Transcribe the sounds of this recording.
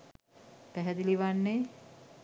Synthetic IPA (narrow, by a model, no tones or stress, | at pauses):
pæɦɛd̪iliʋanːe